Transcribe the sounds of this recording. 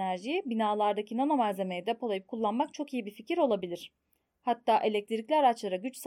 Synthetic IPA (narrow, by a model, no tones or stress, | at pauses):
æɾʒibinaːlˠaɾd̪acʰinonomazze̞mejid̪ɛpʰalˠajɯp̚kʰulˠːanmakt͡ʃʰo̞kijibificiɾo̞lˠabilʲiɾ̥ | hat̪ʰːaːʔe̞lʲɛc̚t̪iɾiclʲiaɾat͡ʃlˠaɾaɟyt͡ʃs